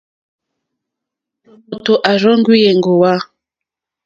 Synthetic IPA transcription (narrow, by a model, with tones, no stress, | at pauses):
o˨to˨ʔa˨ɾɔ˦ŋ˦ɡwi˦jɛ˨ŋɡo˨wa˦